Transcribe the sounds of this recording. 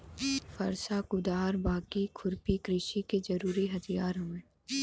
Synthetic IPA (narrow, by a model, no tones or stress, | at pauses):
fʰɐɾsakʊd̪aːɾbaːkikʰʊɾpikɾɪʃiked͡ʒɐɾuːɾiɦɐt̪ʰijaːɾɦɐmẽː